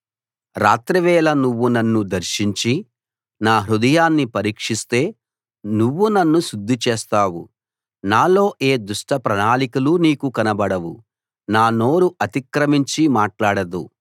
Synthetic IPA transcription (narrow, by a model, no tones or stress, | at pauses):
ɾaːt̪ɾɐʋɛːlɐnuʋːunɐnːud̪ɐɾʃiɲt͡ʃi | naːɦɾud̪ɐjaːnːipɐɾiːkʂist̪e̞ː | nuʋːunɐnːuʃud̪ʱːit͡ʃeːst̪aːwṵ | naːlo̞ːʔe̞ːd̪uʂʈɐpɾɐnaːlikuluniːkukɐnɐbɐɽɐʋṵ | naːno̞ːɾuʔɐt̪ikɾɐmiɲt͡ʃimaːʈlaːɽɐd̪u